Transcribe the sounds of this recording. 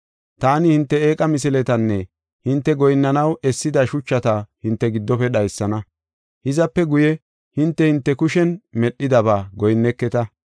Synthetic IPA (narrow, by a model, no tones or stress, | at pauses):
t̪aːnɪhɪnt̪ːɛeːkʼɐmɪs̬ɪlɛt̪ɐnːɛ | hɪnt̪ːɛɡɔjnːɐnɐwɛsːɪd̪ɐʃʊt͡ʃːɐt̪ɐhɪnt̪ːɛɡɪd̪ːɔpɛɗɐjsːɐnɐ | hɪzɐpːɛɡʊjɛ | hɪnt̪ːɛhɪnt̪ːɛkʊʃɛnmɛɗːɪd̪ɐbaːɡɔjnːɛkːɛt̪ɐ